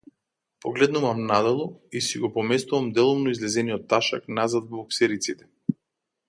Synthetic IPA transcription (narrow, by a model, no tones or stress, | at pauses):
pɔɡlɛd̪nuvamnad̪ɛlˠɔisiɡɔpɔmɛst̪uvamd̪ɛlˠɔmnɔizlɛzɛnijɔt̪ːaʃa̰knazad̪vɔɔksɛɾit̪sit̪ɛ̥